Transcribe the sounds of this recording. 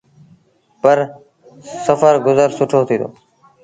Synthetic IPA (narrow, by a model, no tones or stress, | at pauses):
pəɾ | səfəɾɡʊzəɾsʊʈʰoːt̪ʰiːd̪o̰ː